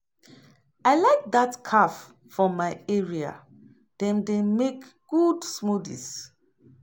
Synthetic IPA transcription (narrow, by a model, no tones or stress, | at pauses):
aɪlaɪk̚d̪atkʰaf | fɔmaɪɛɹia̰ | d̥ɛ̃mdemek | ɡ̥udsmudḭs